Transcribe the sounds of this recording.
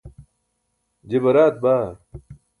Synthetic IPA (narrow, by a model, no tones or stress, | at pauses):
d͡ʑebɐɾaːt̪̚baː